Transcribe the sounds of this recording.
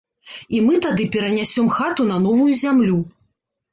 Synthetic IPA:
imɨt̪ad̪ɨpʲɛɾɐnʲasʲɔmxat̪un̪ɐn̪ɔvujuzʲamlʲu

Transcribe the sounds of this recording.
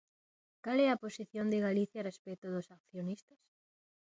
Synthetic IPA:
kalɛɐposiθjond̪ɪɣaliθjarespɛt̪oðʊsak̚θjonist̪ɐs

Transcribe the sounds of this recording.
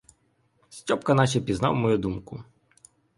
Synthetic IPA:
sʲtʲɔpkɐnɑʃɛpʲiznɑ̰wmɔjud̪umkʊ

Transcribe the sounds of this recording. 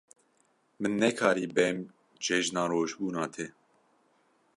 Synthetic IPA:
mɨnːɛkʰɑːɾiːbɛm | d͡ʒɛʒnɑːɾoːʒbuːnɑːt̪ʰɛ

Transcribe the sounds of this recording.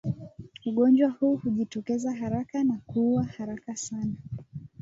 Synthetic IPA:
uɠɔnd͡ʒwahuːhuʄitɔkɛzaɦaɾakanakuwahaɾakasana

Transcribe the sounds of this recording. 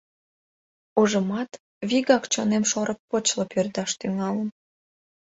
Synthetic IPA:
uʒəmɑt̪ | βiɣɑkt͡ɕonemʃoɾək̚pot͡ɕləpørd̪ɑʃt̪yŋɑlən

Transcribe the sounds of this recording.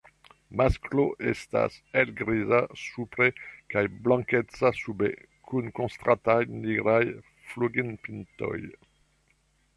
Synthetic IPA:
maskloʔest̪a̰sɛlɡɾizasupɾekajblɑ̃ŋkɛtt͡sasubḛ | kʰunkõst̪ʁat̪ajniɡɾaj | fluɡinpint̪ɔ̰j

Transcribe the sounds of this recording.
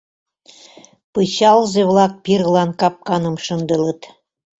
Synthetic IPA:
pɤɕɑlzeβlɑk̚pirɣlɑnkɑp̚kɑnɤ̆mʃə̆nd̪ɤ̆lɤ̆t̪

